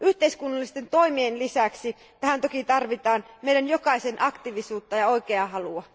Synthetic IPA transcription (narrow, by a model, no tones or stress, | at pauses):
ʔyht̪e̞iskunːɑlːist̪e̞nt̪o̞imienlisæksi | t̪æɦænt̪okit̪ɑrʋit̪ɑːnmejdænjokɑisenʔɑkt̪iʋisuːt̪ːɑjɑo̞ikeɑɦɑluɑ